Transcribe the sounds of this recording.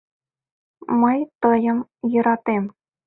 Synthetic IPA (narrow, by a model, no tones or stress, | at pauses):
mɤ̆jt̪ɤ̆jɤ̆mjɤ̆ɾɑt̪em